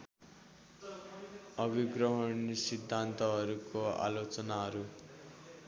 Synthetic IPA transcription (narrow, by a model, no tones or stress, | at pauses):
ʌbiɡrʌɦʌɳsid̪ʱːant̪ʌɦʌɾukoa̰lot͡sʌnaɦʌɾu